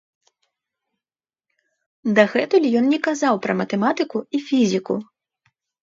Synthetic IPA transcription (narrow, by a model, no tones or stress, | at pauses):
d̪ɐɣɛt̪ulʲijɔnnʲɛkazawpɾɐmɐt̪ɛmat̪ɨkuifʲizʲikṵ